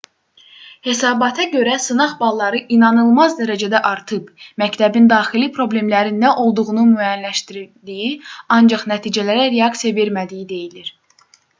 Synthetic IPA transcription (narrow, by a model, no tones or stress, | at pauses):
he̞sɑːbɑt̪ʰɑɟø̞ɾæsɯnɑχbɑlˠːɑɾɯʔinɑnɯlˠmɑzd̪æɾæd͡ʒæd̪æʔɑɾt̪ʰɯbmæct̪ʰæbind̪ɑːχilipʰɾo̞ble̞mlæɾinːæʔo̞lˠd̪uɣunumyæjænlæʃt̪iɾd̪ijiɑnd͡ʒɑχnæt̪ʰiːd͡ʒælæɾæɾe̞ɑksijɑve̞ɾmæd̪ijid̪e̞jiliɾ̥